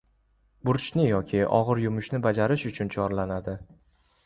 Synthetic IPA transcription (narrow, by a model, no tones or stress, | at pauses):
bʊɾt͡ʃʰnɪjɒkʲʰɪɒ̰ʁɨɾjʊmʊʃnɪbad͡ʒaɾɪʃʊt͡ʃʰʊnt͡ʃʰɒɾlanad̪ɪ